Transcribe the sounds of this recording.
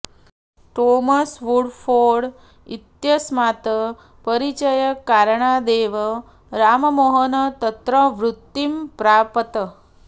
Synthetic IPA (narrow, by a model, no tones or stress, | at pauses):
ʈomasʋuɽfoɽ | it̪jəsmat̪ə | pəɾit͡ʃəjəkːaɾɳad̪eʋə | ɾaməmoɦənt̪ət̪ɾəʋɾut̪ːimpɾapət̪ə